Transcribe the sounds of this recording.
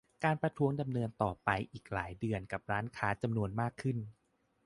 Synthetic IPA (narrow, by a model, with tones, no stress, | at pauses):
kaː˧npɾa˧t̪ʰu˦˥əŋda˧mnɤː˧nt̪ɔː˨˩pa˧jʔiː˨˩k̚laː˩˦jdɯ˧ənka˨˩p̚ɾaː˦˥nkʰaː˦˥t͡ɕa˧mnu˧ənmaː˥˩kʰːɯ˥˩n